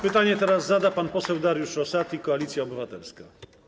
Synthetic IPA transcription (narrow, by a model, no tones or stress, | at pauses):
pɘt̪aɲɛt̪ɛɾazːad̪apanpɔsɛwd̪aɾjuʂɾɔsat̪ikɔalʲit̪sʲjaɔbɘvat̪ɛlska